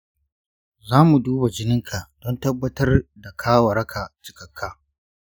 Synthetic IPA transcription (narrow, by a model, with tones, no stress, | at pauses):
zaː˦mu˨duː˦ba˨d͡ʒɪ˦nɪ˦ŋkʰa˨ʔd̥ɔ˦ntɐ˦bːɐ˦tɐ˦rda˨kʰaː˦wɐ˨ɾɐ˦kʰa˨t͡ʃɪ̥˨kɐ˨kʰːaː˦